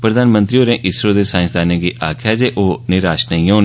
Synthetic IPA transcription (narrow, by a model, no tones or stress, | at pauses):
pɾəd̪aːnmə̃nt̪ɾioːɾẽːʔɪsɾoːd̪eːsãːsd̪aːnẽːɡiːʔaːkʰɛd͡ʒeːʔoːnɪɾaːʃnaĩːoːn